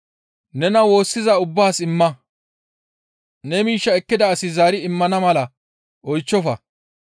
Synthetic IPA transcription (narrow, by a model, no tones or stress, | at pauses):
nɛnɐwo̞ːsːɪzɐʊbːaːsɪmːɐ | nɛmiːʃːɐɛkːɪd̪ɐːsɪzaːɾɪɪmːɐnɐmɐlɐ | ʔɔjt͡ʃːɔfɐ